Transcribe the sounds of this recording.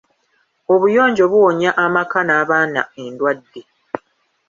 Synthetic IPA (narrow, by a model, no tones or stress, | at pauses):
o̞βujo̞ːɲɟo̞βuwo̞ɲaʔamakanaːβaːna̰e̞ndwadːe